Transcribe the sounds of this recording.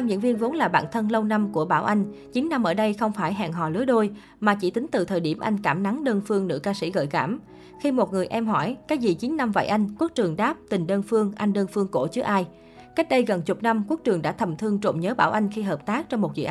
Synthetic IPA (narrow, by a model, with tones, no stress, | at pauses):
a˧mɲɨ̰˧˥nvi˧ənvo˨˦nlaː˨˩ɓa̰ː˧˨nt̪ʰə˧nlə˧wna˧mku˧˩əɓaː˧˩wʔa˧jŋ̟t͡ɕi˨˦nːa˧mʔəː˧˩ɗə˧jxə˧wŋ͡mfaː˧˩jɦa̰ː˧˨ŋɦɔ̰˧˨˩lɨ˨˦əɗo˧j | maː˨˩t͡ɕḭ˧˩t̪ï˨˦ŋ̟t̪ɨ˨˩t̪ʰəː˨˩jɗi˧˩əmʔa˧jŋ̟kaː˧˩mna˨˦ŋɗəː˧nfɨ˧əŋnɨ̰˧˥kaː˧sḭ˧˩ɣə̰ː˧˨jka̰ː˧˩m | xi˧mo˨˩t̚ŋɨ˨˩əjʔɛ˧mɦɔ˧˩jkaː˦˥k̚zḭ˧˨˩t͡ɕi˨˦nna˧mva̰ː˧˨jʔa˧jŋ̟ku˦˥ək̚t͡ɕɨ˨˩əŋɗaː˦˥p̚t̪ï˨˩ŋ̟ɗəː˧nfɨ˧əŋʔa˧jŋ̟ɗəː˧nfɨ˧əŋko˧˩t͡ɕɨ˦˥k̚ʔaː˧j | ka˦˥jk̟̚ɗə˧jɣə˨˩nt͡ɕʊ˨˩k͡p̚na˧mku˦˥k̚t͡ɕɨ˨˩əŋɗa̰ː˧˥t̪ʰə˨˩mt̪ʰɨ˧əŋt͡ɕo̰˧˨ŋ͡mɲəː˨˦ɓaː˧˩wʔa˧jŋ̟xi˧ɦəː˨˩p̚t̪aː˦˥k̚t͡ɕɔ˧wŋ͡mmo˨˩t̚zḭ˧˨˩ʔ